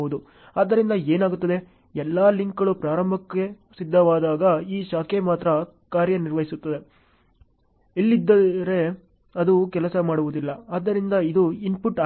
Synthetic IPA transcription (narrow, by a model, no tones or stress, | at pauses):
ud̪u | aːd̪ːɐɾind̪ɐeːnaːɡut̪ːɐd̪e̞ | ɛlːaːliŋkɡɐɭupɾaːɾɐmbʱɐkːe̞ | sid̪ʱːɐʋaːd̪aːɡɐiːʃaːkemaːt̪ɾɐ | kaːɾjɐniɾʋɐɦisut̪ːɐd̪e̞ | ilːid̪ːɐɾe̞ | ɐd̪ukɛlɐsɐmaːɽuʋud̪ilːɐaːd̪ːɐɾind̪ɐid̪uinpuʈːa